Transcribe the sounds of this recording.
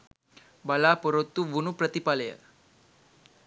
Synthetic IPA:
balapoɾot̪ːuʋunupɾət̪ipaləjə̰

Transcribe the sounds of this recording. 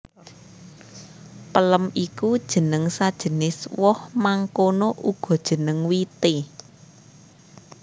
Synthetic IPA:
pələmikud̥ʒ̥ə̤nəŋsad̥ʒ̥ə̤nɪswɔhmaŋkonoʔuɡ̥ɔ̤d̥ʒ̥ə̤nəŋwit̪e

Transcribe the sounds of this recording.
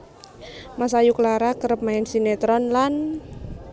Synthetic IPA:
masajukəlaɾakəɾəp̚maɛnsinet̪ɾɔnlan

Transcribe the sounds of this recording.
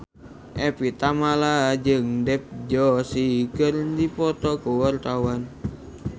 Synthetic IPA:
ʔɛpit̪amalad͡ʒəŋdɛp̚d͡ʒɔsikərdipɔt̪ɔkuwart̪awan

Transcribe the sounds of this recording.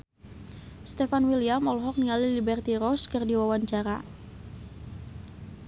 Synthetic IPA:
st̪efanwiliamɔlɔɦɔk̚niŋalilibɛrt̪iɾɔskərdiwawaɲt͡ʃaɾa

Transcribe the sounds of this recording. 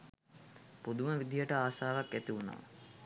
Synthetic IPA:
pud̪uməʋid̪ijəʈəaːʃaːʋakːæt̪iʋuno̰ʋə̰

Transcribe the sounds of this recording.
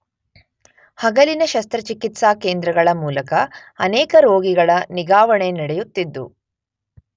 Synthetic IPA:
hɐɡɐlinɐʃɐst̪ɾɐt͡ʃikit̪saːkeːnd̪ɾɐɡɐɭɐmuːlɐkɐ | ɐnɛːkɐɾoːɡiɡɐɭɐniɡaːʋɐɳenɐɽɛjut̪ːid̪ːṵ

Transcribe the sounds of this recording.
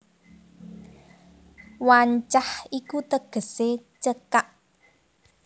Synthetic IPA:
waɲt͡ʃahikut̪əɡ̥ə̤set͡ʃəkaʔ

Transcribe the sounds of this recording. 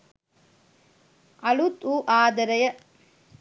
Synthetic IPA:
ɐɭut̪uːʔaːd̪ɐɾɐjɐ

